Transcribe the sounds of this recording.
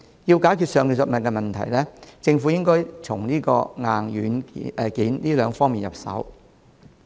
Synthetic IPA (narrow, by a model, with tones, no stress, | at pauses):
jiː˧wkaː˨˥jkʰy˨tsœː˨˧ŋkiː˨˧sʊ˨t̚mɐ˨n̚kɛː˧mɐ˨nt̪ʰɐ̰˨˩jlɛː˥t͡sɪ˧ŋfu˨˥jɪ˥ŋkɔː˥jt͡sʰʊ˨˩ŋniː˥kɔː˧ŋaː˨˧njyː˨˥nː˧kiː˨˥nliː˥lœː˨˧ŋfɔː˥ŋmiː˨njɐ̰˨p̚sɐ̰˨˥w